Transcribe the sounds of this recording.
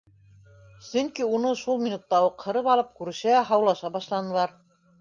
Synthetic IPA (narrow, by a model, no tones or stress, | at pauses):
sɵŋkiunɤʃulˠmʲinut̪ːɑuqhɤ̆ɾɤpɑlˠɤp̚kʉɾɘ̆ʃæɦɑwlˠɑʃɑbɑʃlˠɑnɤ̆lˠɑɾ